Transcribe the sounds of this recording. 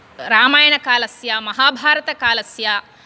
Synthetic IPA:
ɾaːmaːjɐɳɐkaːlɐsjamɐɦaːbʱaːɾɐt̪ɐkaːlɐsja

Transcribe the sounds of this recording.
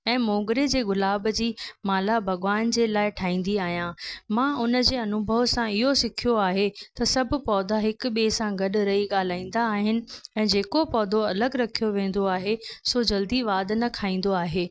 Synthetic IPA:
ɛ̃ːmoːɡɾed͡ʑeːɡʊlaːbd͡ʑiːmaːlabʱɐɡʋaːnd͡ʑeːlaːɪʈʰaːĩːn̆d̪iaːɦijãːmãːʊnəd͡ʑeːɐnʊbʱəʋsãɪɦosɪkʰijoaːɦet̪ɐsɐbʱʊ̆pɔːd̪ʱaɦɪkɓeːsãɡɐɗɾɐɦiɠaːl̤aːĩːn̆d̪aːɦɪnɪ̆ɛ̃ːd͡ʑeːkopɔːd̪ʱoɐləɡɾɐkʰijoʋẽːn̆d̪oaːɦesod͡ʑɐld̪iʋaːd̪nɐkʰaːĩːn̆d̪oaːɦeː

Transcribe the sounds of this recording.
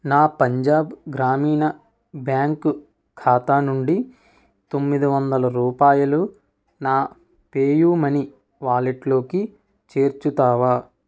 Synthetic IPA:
naːpɐɲd͡ʒaːbɡɾaːmiːnɐ | bjaːŋku | kʰaːt̪aːnuɳɖi | t̪o̞mːid̪iʋɐnd̪ɐlɐɾuːpaːjɐlu | naː | peːjuːmɐni | ʋaːliʈlo̞ːki | t͡ʃeːɾt͡ʃut̪aːʋaː

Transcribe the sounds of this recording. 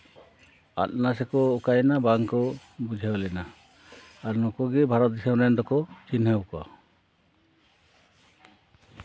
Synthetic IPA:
a̰t̪̚nasɛkɔːkajnabaŋkɔbud͡ʒʱawlɛna | aɾnɔkɔɡɛbʱaɾɔt̪̚d̪isemɾɛnd̪ɔkɔt͡ʃinɦəwkɔa̰

